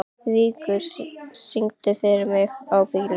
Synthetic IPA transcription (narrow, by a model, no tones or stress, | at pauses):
viːkʏɾ̥siŋt̪ʏfɪɾɪɾmɪɣawpɪɣl